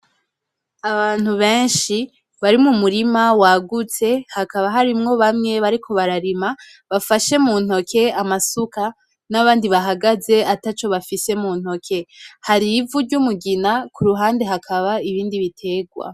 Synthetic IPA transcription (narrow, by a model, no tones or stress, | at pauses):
aβaːn̥huβe̞ːnʃi | βaɾimumuɾimawaɡut͡se̞hakaβaɦaɾimŋo̞βamŋe̞βaɾikʰo̞βaɾaɾima | βafaʃe̞muːn̥o̞kʰe̞amasuka | naβaːndiβaɦaɡaze̞atat͡ʃo̞βafise̞muːn̥ho̞kʰe̞haɾivuɾɟumuɡinakuɾuɦaːnde̞ɦakʰaβaiβiːndiβitʰe̞ːɡwa̰